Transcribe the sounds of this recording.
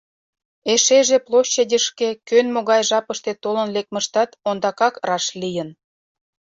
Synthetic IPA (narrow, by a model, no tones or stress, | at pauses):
eʃeʒeplˠoɕːedʲəʃkekønmoɣɑjʒɑpəʃt̪et̪olənlek̚məʃt̪ɑt̪ond̪ɑkɑkrɑʃlijən